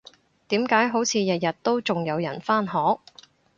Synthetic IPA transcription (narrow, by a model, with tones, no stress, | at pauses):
t̪iː˨˥mkaː˨˥jɦo˨˥wt͡sʰiː˨˧jɐ˨t̚jɐ˨t̚t̪o˥wt͡sʊ˨ŋjɐ˨˧wjɐ̰˨˩nfaː˥nɦɔː˨˥k̚